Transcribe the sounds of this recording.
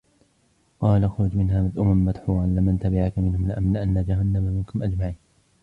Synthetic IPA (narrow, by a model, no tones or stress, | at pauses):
qɑːlaʔaxɾʊd͡ʒmɪnɦaːmad̪ʔʊmamːad̪ħuːʕanlɪmant̪abɪʕakamɪnhʊmlɪʔamlɪʔanːad͡ʒaɦanːamamɪnkʊmʔad͡ʒmaʕiːn